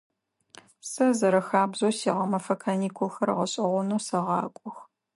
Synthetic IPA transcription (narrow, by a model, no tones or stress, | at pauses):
psɐzɐɾɐxaːbzoːsiːʁɐmɐfɐkʰɐniːkʷʰʊlxɐrʁɐɕʼɪʁʷʊnuːsɐʁɑːkʷʼʊx